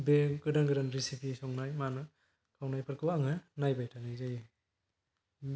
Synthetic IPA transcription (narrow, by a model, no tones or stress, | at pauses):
beɡɯdaŋɡɯɾanɾisipisɔŋnajmanɯ | kʰawnajpʰɯɾkʰɯwaŋɯnajbajtʰanajzaj